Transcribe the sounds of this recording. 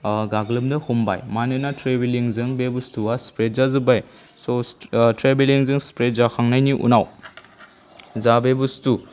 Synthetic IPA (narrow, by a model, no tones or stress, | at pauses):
ɡaɡlɯmdɐhumba̰jmanɯnatɾebeliŋzɯŋbebustuaspɾezazɯbaj | sotɾebeliŋzɯŋspɾezakʰaŋnajniʔṵnaw | zabebustu